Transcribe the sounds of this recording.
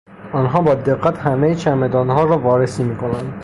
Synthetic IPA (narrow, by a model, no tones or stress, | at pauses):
ɒːnɦɒːbɒːd̪eɡːæt̪ʰhæmejet͡ʃʰæmed̪ɒːnɦɒːɾɒːvɒːɾesiːmiːkʰo̞nænd̪̥